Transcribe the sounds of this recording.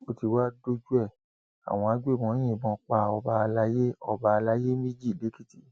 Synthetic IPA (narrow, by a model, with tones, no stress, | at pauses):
o˧ti˧wa˦do˦d͡ʒu˦ɛ˦˨ | a̰˨w̃ɔ̃˧a˧˦ɡ͡be˦˨mɔ̃˨˧˦j̃ĩ˦˨bɔ̃˨˧˦k͡pa˧ɔ˧ba˧la˦je˦ɔ˧ba˧la˦je˦mĩ˦d͡ʒi˦˨le˨˦ki˦ti˨˧